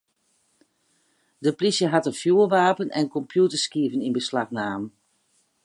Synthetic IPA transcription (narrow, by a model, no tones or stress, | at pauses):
dəplisjəɦatənfjuəʋaːpənʔɛ̰nkɔmpʰjutəɹskiəvəninbəslaxnaːmən